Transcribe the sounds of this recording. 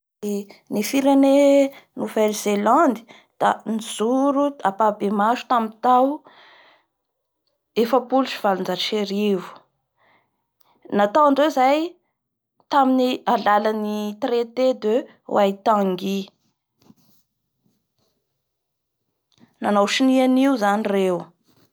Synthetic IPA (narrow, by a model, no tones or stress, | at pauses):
enifiɾenenuvelzeland̪i̥ | d̪̥aniz̥uɾuapabemaʃu̥t̪amint̪aw | efəpuluʃi̥valund͡zaʃeɾivu̥ | nat̪awaɳɖ͡ʐewzaj | t̪aminialalanit̪ret̪ed̪ø | wajt̪aŋɡi | nanawʃinianiuzanirew